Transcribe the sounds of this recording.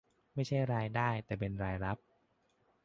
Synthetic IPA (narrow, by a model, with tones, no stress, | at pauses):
ma˥˩jt͡ɕʰa˥˩jɾaː˧jdaː˥˩jt̪ɛː˨˩p̬e˧nɾaː˧jɾa˦˥p̚